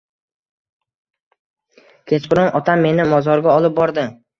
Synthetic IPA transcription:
kʲʰe̞t͡ʃqʰʊɾɪŋɒt̪ʰamːe̞nɪmɒzɒɾɡʲaɒlˠɪp̚bɒɾd̪ɪ

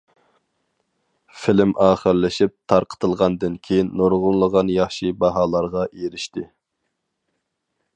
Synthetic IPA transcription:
fɪlɪmʔɑːχəɾlɪʃip̚t̪ʰɑɾqʰə̥t̪ʰɨlˠʁɑnd̪ɨnkʲʰejinːoɾʁʊnlˠəʁɑnjɑχʃibɑɦɑːlˠɑɾʁɑʔeɾɪʃt̪ɪ

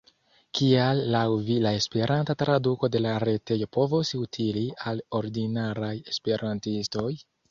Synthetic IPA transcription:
kialːawvilae̞spe̞ɾʔantatɾaduko̞de̞laɾe̞te̞jo̞po̞vosutʰilialo̞ɾdinaɾaje̞spe̞ɾʔantisto̞j

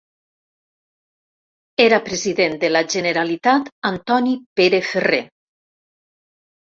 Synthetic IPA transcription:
eɾapɾeziðend̪elaʒeneɾalit̪at̪ant̪ɔnipeɾefere

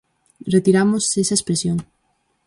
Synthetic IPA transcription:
ret̪iɾamosesɐespɾesjoŋ

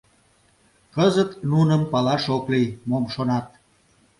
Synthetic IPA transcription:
kəzət̪nunəmpɑlɑʃoklijmomʃonɑt̪̚

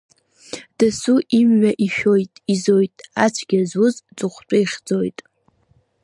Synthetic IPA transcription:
d̥ɨsuʔimɥʷaʔiʃᶣojtʼizo̞jtʼat͡ʃʷʰɡʲazwʊzt͡sʼʊχʷʈ͡ʂʷʼajχʲd͡zojtʼ

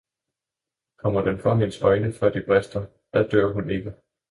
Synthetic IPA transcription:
kʰɒ̽mɐd̥enfʁɒmensɒ̽ɪnəfɶɐ̰d̥ib̥ʁɛsd̥ɐ | d̥æd̥øɐ̰hune̝ɡ̥ə

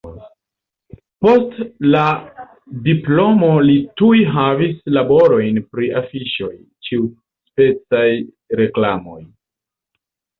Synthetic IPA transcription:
po̞stla | diplo̞mo̞litujɦavislabo̞ɾo̞jnpɾiafiʃo̞j | t͡ʃiu | spe̞t͡saj | ɾe̞klamo̞̰j

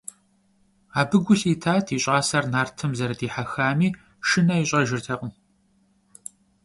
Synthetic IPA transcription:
aːbɨɡʷʊɬiːtʰaːtʰiːɕʼaːsɐrnaːrtʰɨmzɐɾɐdiːħaxaːmiː | ʃɨnɐiɕʼɐʒɪrtʰɐqʼəm

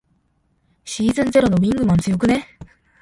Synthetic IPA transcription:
ɕiːzɨ̃nze̞ɾo̞no̞bʲĩŋɡɯ̟mãnt͡sɨjo̞k̬ɯ̟ne̞

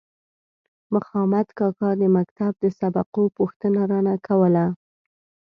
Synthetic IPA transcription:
mʊxɑmad̪kɑkɑd̪əmakt̪ab̚d̪əsabaqopuxt̪ənaɾɑnakʰawəla

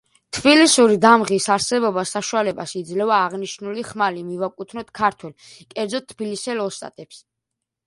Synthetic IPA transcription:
t̪ʰbilisuɾid̪amʁisaɾsɛbɔbasaʃualɛbasid̪zlɛvaːʁniʃnuliχmalimivakʼut̪ʰnɔt̪kʰaɾt̪ʰwɛl | kʼɛɾd̪zɔt̪ʰːbilisɛlɔst̪ʼa̰t̪ʼɛps

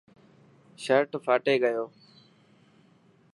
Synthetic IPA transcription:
ʃəɾʈfʰaːʈeːɠəjoː

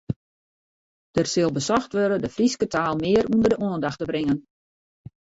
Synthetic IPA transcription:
d̥ərsɪlˠbəsɔxtʋøɾədəfriskətʰaːlˠmɪərundərdəʔoəndaxtəbrɪŋən

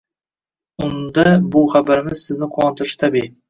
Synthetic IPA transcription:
ʊnd̪ɑbʊχabaɾɪmɪzsɪznɪqʰowˠɑnt̪ʰʊɾʃɪ̥t̪ʰabi

